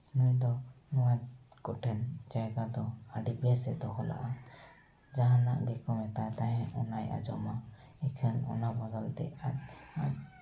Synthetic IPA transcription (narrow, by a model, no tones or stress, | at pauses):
nujd̪ɔ | nɔwakɔʈʰɛnd͡ʒajɡad̪ɔaɖibɛsɛd̪ɔkʰɔla̰ʔa | d͡ʒaɦana̰ʔɡɛkɔmɛt̪ajt̪aɦɛ̃ɔnaja̰d͡ʒɔma | ɛkʰənɔ̰nabaɡalt̪ɛ̰aɲaɲ